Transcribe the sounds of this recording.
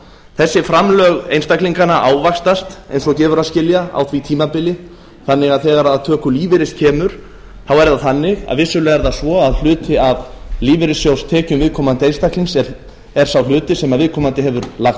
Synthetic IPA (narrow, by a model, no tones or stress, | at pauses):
θɛsːɪfɾamlœɣḛjnst̪akliŋkanaʔaːwvakst̪ast̪ḛjnsɔcɛːvʏɾaðscɪljaa̰wθʰvit̪ʰiːmapɪljɪ | θanːɪɣaðθɛːɣaɾaðt̪ʰœːkʏliːvɪɾɪscʰɛːmʏɾ̥ | θawɛɾðaθanːɪɣa̰ðvɪsːʏlɛːɣaɾðasvɔaðl̥ʏːt̪ɪaðliːvɪɾɪsjowst̪ʰɛːcʏmvɪðkʰɔmant̪ɪejnst̪aklinsɛ | ɛɾ̥sawl̥ʏːt̪ɪsɛmaðvɪðkʰɔmant̪ɪɦɛvʏɾlaxt̪